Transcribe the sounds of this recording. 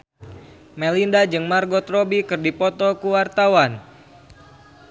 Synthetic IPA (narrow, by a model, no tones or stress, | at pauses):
mɛlindad͡ʒɨŋmarɡɔt̪ɾobikɨrdipɔt̪ɔkuwart̪awan